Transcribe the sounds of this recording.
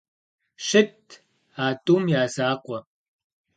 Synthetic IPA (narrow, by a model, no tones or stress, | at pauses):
ɕɪtʰ | aːtʼuːmjaːzaːqʷɐ